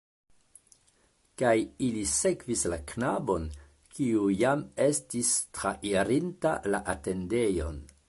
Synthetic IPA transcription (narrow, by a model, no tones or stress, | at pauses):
kajilise̞kvislaknabo̞n | kiujame̞stistɾaʔiɾintalaʔate̞nde̞jo̞̰n